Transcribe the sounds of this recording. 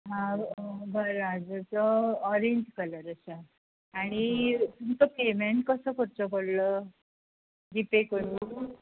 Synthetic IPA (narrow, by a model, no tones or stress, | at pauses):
ɦãbʱəɾad͡zət͡sɔɔɾeɲd͡ʑkələɾəɕa | aɽ̃isumt̪əpemeɳʈ̚kəsəkəɾt͡ɕəboɽlə | ɖipekoɽu